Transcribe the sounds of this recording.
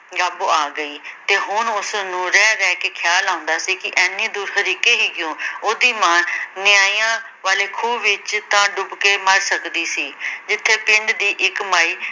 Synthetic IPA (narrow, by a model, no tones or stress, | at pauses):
ɡəbaːɡəiːt̪eːɦʊnʊsnũːɾɛːɾɛːkeːkʰjaːlãːʊnd̪aːsiːkɪʔɛːnːẽːd̪uːɾɦəɾiːkeːɦiːkɪjõːoːd̪iːmãːnɪjaːiːjãː | ʋaːleːkʰuːbʋɪt͡ʃt̪ãːɖʊbkeːməɾsəkd̪iːsiːd͡ʒɪt̪ʰːeːpɪ̃ɳɖd̪iːʔɪkmaːiː